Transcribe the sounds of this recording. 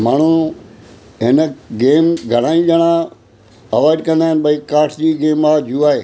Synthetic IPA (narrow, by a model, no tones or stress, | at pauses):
maːɳ̤u | ɦɪnəɡeːmɡʱɐɽ̤̃aːĩd͡ʑɐɽ̃ã | ɐʋaːɪɖkɐ̃nd̪aːɦɪnɪɓɐikaːʈʰd͡ʑiːɡeːmaːd͡ʑuaːɦeː